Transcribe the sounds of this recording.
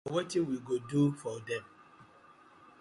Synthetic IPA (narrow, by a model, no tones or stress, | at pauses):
wɔtiwiɡodufɔdɛ̃m